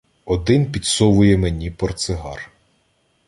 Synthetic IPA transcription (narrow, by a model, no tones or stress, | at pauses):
ɔd̪ɪnpʲid̪sɔʋʊjɛmenʲipɔrt̪sɪɦɑ̰r